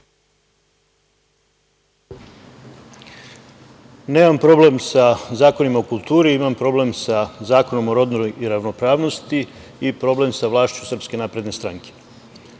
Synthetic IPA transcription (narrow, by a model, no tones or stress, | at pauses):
ne̞ːmampɾo̞ble̞msazaːko̞nimaokulˠt̪uːɾiimampɾo̞blemsazaːko̞no̞mo̞ɾo̞d̪nojiɾaʋno̞pɾaːʋno̞st̪i | ipɾo̞ble̞msaʋlˠaːʃt͡ɕu̥sr̩pske̞naːpɾe̞d̪ne̞st̪ɾa̰ŋke̥